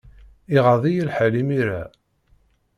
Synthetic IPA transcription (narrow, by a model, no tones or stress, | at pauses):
iʁaðˤijəlħalimiɾa